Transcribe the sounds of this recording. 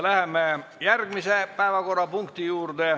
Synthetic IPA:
læhemːejærɡ̥misepæevɑko̞rːɑpuŋkt̪ijuːrd̪e

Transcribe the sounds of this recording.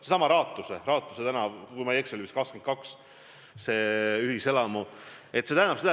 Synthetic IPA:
sesɑmɑɾɑːt̪ːˑuserɑːt̪ːˑuset̪ænɑkujmɑjeksolymiskɑksken̚kɑks | se̞yhise̞lɑmuet̪se̞t̪æænɑpsed̪ɑ

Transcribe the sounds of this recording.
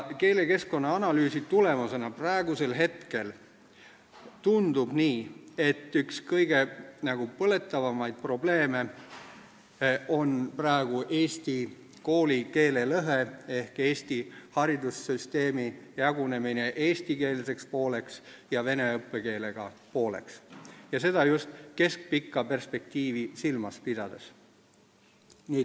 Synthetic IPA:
ke̞ːle̞ke̞sko̞nːɑɑnɑlyːsit̪ule̞mɑse̞nɑpræeɡ̥use̞lɦe̞t̪ke̞l | t̪und̪̥ub̥niːe̞t̪ːˑykskɤjɡ̥e̞nɑɡ̥upɤle̞t̪ːˑɑvɑmɑjd̪̥̚pro̞ble̞ːme̞ | o̞nprɑeɡ̥uʔe̞ːsʲt̪i | ko̞ːlike̞ːle̞lɤɦee̞hke̞ːst̪ihɑɾid̪̥usːyst̪e̞ːmijɑɡune̞mine̞ʔe̞ːst̪ike̞ːlse̞kspo̞ːle̞ks | jɑve̞ne̞ɤpˑːe̞ke̞ːle̞ɡ̥ɑpo̞ːle̞̰ksjɑse̞d̪̥ɑjust̪ke̞sk̚pikːɑpe̞rspe̞k̚t̪iːvisilmɑspid̪̥ɑd̪̥es | niː

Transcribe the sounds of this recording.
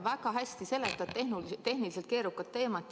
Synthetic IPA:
vækɑɦæsʲt̪ise̞lːe̞t̪ːˑɑ̥ehnult̪e̞hniliset̪ke̞ːɾukːˑɑt̪ːe̞ːmɑt̪ː

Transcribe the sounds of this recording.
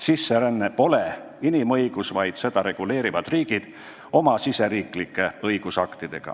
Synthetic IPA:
sisːeɾænːepo̞le | inimɤjɡ̥usvɑjd̪̥se̞d̪̥ɑɾe̞ɡ̥ule̞ːɾivɑd̪̥riːɡ̥id̪̥ | o̞mɑsise̞ɾiːklikːˑe̞ɤjɡ̥usɑkt̪id̪̥e̞ɡ̥ɑ̰

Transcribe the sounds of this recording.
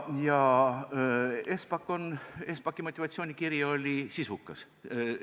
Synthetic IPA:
jɑ | espɑkːˑo̞nespɑkːˑimo̞t̪ʲːivɑt̪sʲioːnʲikirjɑo̞lʲisisukːˑɑs

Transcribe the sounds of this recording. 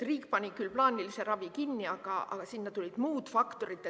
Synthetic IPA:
riːkpɑnʲikylplɑːnʲilise̞ɾɑvikinːiɑɡ̥ɑɑ̰ɡ̥ɑsinːɑt̪ulʲid̪̥muːd̪̥fɑkt̪o̞ɾit̪ːˑe

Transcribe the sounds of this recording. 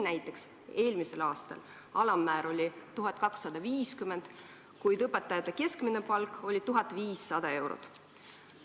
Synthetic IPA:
næjt̪ːˑe̞ks | e̞ːlmise̞lɑːst̪ɑ̰l | ɑlɑmːæːɾo̞lʲit̪uɦɑtd̪̥̚kɑksːɑd̪̥ɑviːskymend̪̥ | kujd̪ɤpːˑe̞t̪ːˑɑjɑt̪ːˑeke̞skminepɑlko̞lʲit̪uɦɑt̪ːˑviːsːɑd̪̥ɑe̞wɾo̰t̪

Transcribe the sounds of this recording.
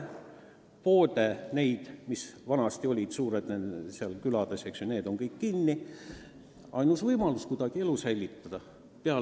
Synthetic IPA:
po̞ːd̪ene̞jd̪̥misvɑnɑst̪io̞lʲid̪̥suːɾed̪nenseɑlkylɑd̪eseksjone̞ːd̪o̞ŋkɤjkːinːi | ɑjnusvɤjmɑluskud̪̥ɑɡ̥ie̞lusælʲːit̪ːɑd̪̥ɑ | peɑ

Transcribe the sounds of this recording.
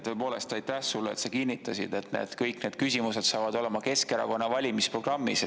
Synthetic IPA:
t̪ɤ̞epo̞ːle̞st̪ɑjt̪æhsulːḛt̪sɑkinʲːit̪ːˑɑsḭd̪̥e̞t̪nḛːd̪̥kɤjkne̞d̥̪̚kys̬ʲimuse̞d̪̥sɑːvɑd̪o̞le̞mɑke̞skeɾɑ̰ko̞nːɑvɑlʲimispro̞ɡ̥rɑmːis

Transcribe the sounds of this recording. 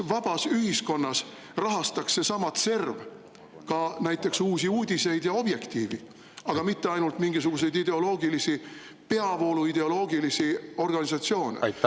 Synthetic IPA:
vɑb̥ɑsyɦisko̞nːɑs | rɑɦɑst̪ɑksːe̞sɑmɑt̪se̞rv | kɑnæjt̪ˑːe̞ksuːsiuːd̪ʲise̞jd̪̥jɑo̞b̥je̞kt̪iːvi | ɑɡ̥ɑmit̪ːe̞ɑjnult̪miŋɡisuɡ̥us̬e̞jd̪id̪e̞o̞lo̞ːɡilisi | pe̞ɑvo̞ːluid̪e̞o̞lo̞ːɡilisio̞rɡ̥ɑnisɑt̪sio̞ːnḛ

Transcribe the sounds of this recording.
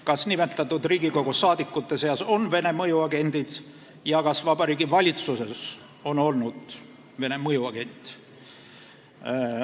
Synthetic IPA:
kɑsnime̞t̪ːˑɑt̪ːud̪riːɡiko̞ɡ̥usɑːd̪̥ikˑːut̪ːˑe̞se̞ɑso̞nve̞ne̞mɤjuɑɡe̞nd̪̥id̪̥ | jɑkɑsvɑb̥ɑɾiːɡivɑlʲit̪suse̞s | o̞no̞lnud̪̥ | ve̞ne̞mɤjuɑɡ̥e̞nt̪ʲːˑ

